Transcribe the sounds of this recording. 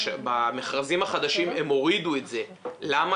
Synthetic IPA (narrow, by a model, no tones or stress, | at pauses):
bameχʁazimhaχad̪aʃime̞mo̞ʁid̪uetze̞lama